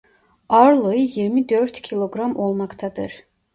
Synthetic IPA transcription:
ɑɾlˠojjiɾmid̪øɾt̪cʲʰilˠoɡɾɑmo̞lˠmɑkt̪ʰɑd̪ɯ̰ɾ

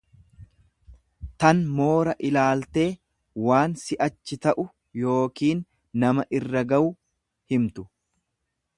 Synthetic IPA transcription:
t̪ɐnmo̞ːɾɐʔɪlaːlt̪e̞ː | waːnsɪʔɐt͡ʃːɪt̪ɐʔʊ | jo̞ːkiːnː | ɐmɐʔɪrːɐɡɐwʊ | hɪmt̪ʊ

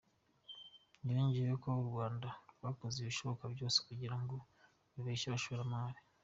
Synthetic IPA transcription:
niɾiːɲɟiɾekouɾɡwaːndaɾɡwaːkozeβiʃo̞βo̞kabjo̞ːse̥kuɟiɾaŋɡo̞ | βiβeʃaβaʃoβeɾamaːɾi

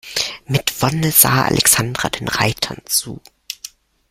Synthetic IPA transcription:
mɪtv̥ɔnəz̥a̰ːʔa̰lʔɛksandʁa̰deːnʁaɪtʰɐnt͡sṵː

